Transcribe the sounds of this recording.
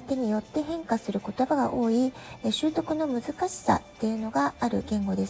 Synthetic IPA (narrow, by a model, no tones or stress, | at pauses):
it̪e̞ɲ̟ijo̞t̪ːe̞ɦẽ̞ŋkasɨɾɯ̟ko̞t̪o̞baɡa̰ʔo̞ːi | ɕɨːt̪o̞kɯ̟no̞mɯ̟zɨkaɕi̥sa̰t̪ːe̞jɯ̟no̞ɡaːɾɯ̟ɡẽ̞ŋɡo̞d̪e̞s